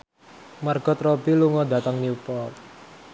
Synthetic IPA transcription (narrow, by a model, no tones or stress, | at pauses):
marɡ̥ɔ̤t̪rɔbiluŋɔd̪a̤t̪əŋniupɔ